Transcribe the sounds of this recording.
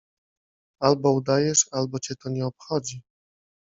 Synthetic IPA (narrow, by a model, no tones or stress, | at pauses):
albɔud̪ajɛʂalbɔt͡ɕɛt̪ɔɲɛɔpxɔd͡ʑi